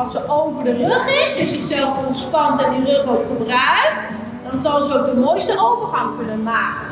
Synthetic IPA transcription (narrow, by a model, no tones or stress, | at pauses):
ɑlˠsəowvəɹdərøχɪsdɪsɪχsɛlˠfɔnspɑnndɑt̚dirɵχʋɔɹtχəbrœɥk̚t | dɑnzɑlˠzəok̚dəmojstəowvəɹχɑŋkɵnənmaːkən